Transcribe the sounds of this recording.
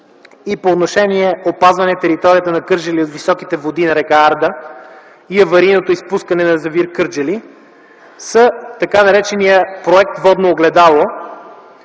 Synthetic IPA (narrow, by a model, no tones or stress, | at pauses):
ipoːt̪noʃɛniɛopazvɐnɛt̪ɛɾit̪ɔɾiət̪ənɐkɤɾd͡ʒɐliot̪visɔkit̪ɛvod̪inɐɾɛkaaɾd̪ə | iɐvɐɾinot̪oispuskɐnɛnɐzɐviɾkɤɾd͡ʒəli | sət̪ɐkanɐɾɛt͡ʃɛnijəpɾoɛk̚t̪vɔd̪noːɡlɛd̪alˠo